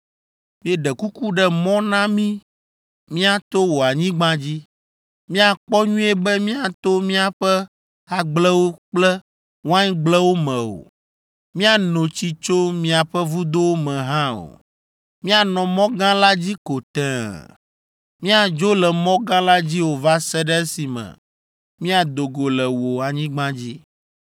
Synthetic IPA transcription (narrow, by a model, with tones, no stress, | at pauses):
mĩ˦e˦ɖɛ˨ku˦ku˦ɖɛ˦mɔ̃˦nã˦mĩ˦ | mĩ˦a˨t̪o˦wo˨a˨ɲĩ˦ɡ͡bã˦d͡ʑi˦ | mĩ˦a˨k͡pɔ˦ɲũ˦e˦bɛ˦mĩ˦a˨t̪o˦mĩ˦a˨ɸɛ˦ | a˨ɡ͡blɛ˦wo˦k͡plɛ˦ | wã˦ɲ˦ɡ͡blɛ˦wo˦mɛ̃˨o̰˨ | mĩ˦a˨nõ˨t͡ɕi˦t͡ʃo˦mĩ˦a˨ɸɛ˦vu˦d̪o˦wo˦mɛ̃˨ɦã˦o̰˨ | mĩ˦a˨nɔ̃˨mɔ̃˦ɡã˦la˦d͡ʑi˦ko˨t̪ɛ̃˨ | mĩ˦a˨d͡ʒo˦lɛ˨mɔ̃˦ɡã˦la˦d͡ʑi˦wo˨va˦sɛ˦ɖɛ˦e˦si˨mɛ̰̃˨ | mĩ˦a˨d̪o˨ɡo˨lɛ˨wo˨a˨ɲĩ˦ɡ͡bã˦d͡ʑi˦